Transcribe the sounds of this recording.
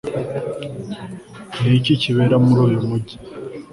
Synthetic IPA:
niciciβeɾamuɾuːjumuɟi̥

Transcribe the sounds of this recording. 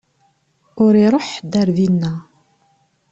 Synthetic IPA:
ʊɾiɾˤoħd̪æɾðinːæ

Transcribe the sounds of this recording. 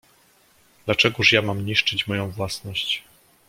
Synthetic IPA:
d̪̥lat͡ʂɛɡuʂjamamɲiʂt͡ʂɘt͡ɕmɔjɔ̃w̃vwasnɔɕt͡ɕ

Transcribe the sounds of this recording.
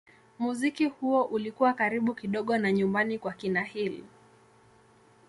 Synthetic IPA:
muzikihuɔʔulikuwakaɾiɓukiɗɔɠɔnaɲumbanikwakinahilḭ

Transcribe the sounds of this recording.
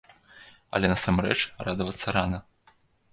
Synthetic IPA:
ɐ̰lʲɛnɐsamɾɛ̰t͡ʂrad̪ɐvɐt̪sːɐɾanɐ

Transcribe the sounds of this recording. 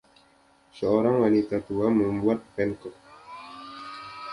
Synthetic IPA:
səoɾaŋwanit̪at̪uaməmbuat̪̚pɛŋkɔk̚

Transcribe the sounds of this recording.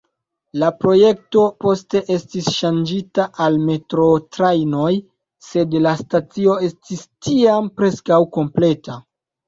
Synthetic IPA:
lapɾo̞je̞k̚to̞po̞ste̞ʔe̞stisʃand͡ʒitaʔalme̞tɾo̞tɾajno̞j | se̞dlastat͡sio̞e̞stistiampɾe̞skawko̞mple̞ta

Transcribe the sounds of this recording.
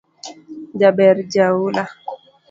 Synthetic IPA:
d͡ʒabɛɾd͡ʒaula

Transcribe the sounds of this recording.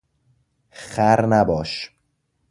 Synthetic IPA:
xæɾnæbɒːʃ

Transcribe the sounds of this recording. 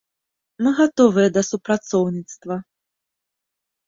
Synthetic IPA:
mɨɣat̪ɔvɨjɛd̪ɐsupɾat̪sɔwnʲit̪st̪vɐ

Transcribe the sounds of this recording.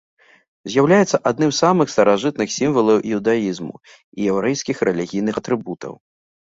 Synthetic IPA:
zʲjawlʲajɛt̪sɐʔad̪nɨmsamɨxst̪ɐɾaʐɨt̪̚nɨxsʲimvɐlˠɐwʔiwd̪aizmṵ | ijɛwɾɛjskʲixɾɛlʲiɣʲijnɨxɐt̪ɾɨbut̪ɐ̰w

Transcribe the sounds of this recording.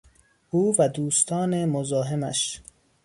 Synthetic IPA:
ʔuːvæd̪uːst̪ʰɒːnemozɒːɦemæ̰ʃ

